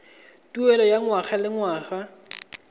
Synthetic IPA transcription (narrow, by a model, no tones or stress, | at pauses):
tʼuɛlɔjaŋwaχalɪŋwaːɣa